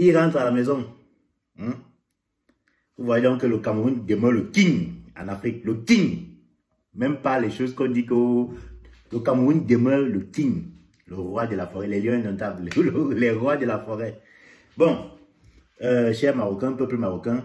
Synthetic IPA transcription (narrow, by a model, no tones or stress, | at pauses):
jiʁãtalamɛzɔ̃ | uvwaedɔ̃ŋkəlokãmundemələkiɲã̰nafʁik̚ləkiɲ | mɛ̃mpalɛʃozkɔ̃dikə | lokamũndemələkiɲ | ləʁwadəlafɔʁɛlɛljɔ̃ɛ̃nɔ̃tabllɛʁwadəlafɔʁɛ | bɔ̃ | əʃɛʁmaʁokɛ̃pəpləmaʁokɛ̃